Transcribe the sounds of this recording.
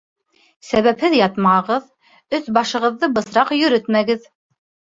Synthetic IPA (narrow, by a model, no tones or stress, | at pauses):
sæβæphɘðjɑt̪mɑɤʁɤð | ɵθbɑʃɤ̆ʁɤ̆ðːɤbɤ̆sɾɑqjɵ̆ɾɵt̪mæɡɘð